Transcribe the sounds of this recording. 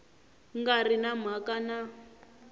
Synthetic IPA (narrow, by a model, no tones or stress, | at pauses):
ŋɡarinam̤akana